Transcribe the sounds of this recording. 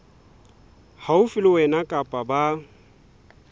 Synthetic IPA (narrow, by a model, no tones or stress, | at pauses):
haʊfɪlɪwɛnakʼapʼaba